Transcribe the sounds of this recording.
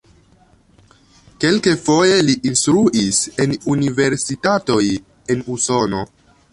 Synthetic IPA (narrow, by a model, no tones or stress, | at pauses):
ke̞lkefo̞je̞liʔinstɾuʔise̞nunive̞ɾsitato̞j | e̞nuso̞no̞